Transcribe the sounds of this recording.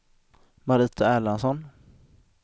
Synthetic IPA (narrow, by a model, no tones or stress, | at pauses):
maɾiːt̪aæːlansɔn